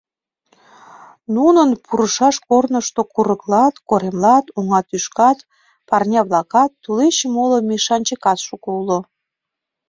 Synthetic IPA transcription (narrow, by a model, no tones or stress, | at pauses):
nunənpʰuɾəʃɑʃkornəʃt̪okuɾəklɑt̪koɾemlɑt̪uŋɑt̪yʃkɑt̪ | pɑrnʲɑβlɑkɑt̪ːuleɕemolomʲeʃɑnʲt͡ɕəkɑt̪ʃukulo